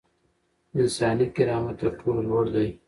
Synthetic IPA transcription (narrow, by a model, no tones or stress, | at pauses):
ɪnsɑːnikɪɾɑːmat̪apʰullwoɽd̪aj